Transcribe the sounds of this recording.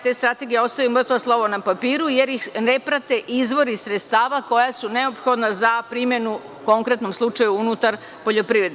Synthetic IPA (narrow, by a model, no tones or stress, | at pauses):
t̪e̞ːst̪ɾat̪e̞ɡijeo̞st̪ajumr̩t̪ʋaslˠo̞ʋonapapiːɾuje̞ɾjixne̞pɾat̪e̞ʔizʋo̞ɾisɾet̪st̪aːʋako̞jasune̞o̞pxo̞d̪nazapɾimje̞nu | ko̞ŋkɾe̞t̪no̞mslˠut͡ʃajuunut̪aɾ | po̞ʎo̞pɾiʋɾe̞d̪e